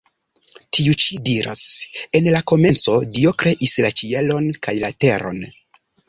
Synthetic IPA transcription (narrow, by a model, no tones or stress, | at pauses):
tʰiut͡ʃidiɾa̰se̞nlako̞me̞nt͡so̞dio̞kɾe̞ʔislat͡ʃie̞lo̞nkajlate̞ɾo̞̰n